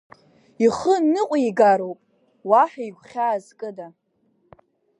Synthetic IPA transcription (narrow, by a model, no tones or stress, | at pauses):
iχənɨqʷʼaiɡaɾowpʼ | waħajɡʷχʲaːzkʼɨda